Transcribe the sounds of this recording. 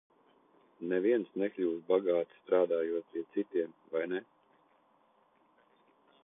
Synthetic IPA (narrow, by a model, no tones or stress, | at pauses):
nɛviɛnsneklʲuːvbaɡaːt̪st̪ɾaːd̪aːjuɔt̪̚pʲiɛt̪sit̪iɛmvajne